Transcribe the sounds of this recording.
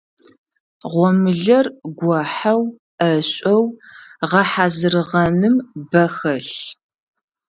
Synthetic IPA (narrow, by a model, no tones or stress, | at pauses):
ʁʷɔmɨɮɐrɡʷɔħɐw | ʔɐɕʷʼɔwʁɐħazɨrɨʁɐnɨmbɐxɐɬ